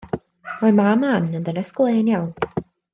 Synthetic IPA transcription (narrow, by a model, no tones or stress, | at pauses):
majmamanəndənɛsklˠeːnjawn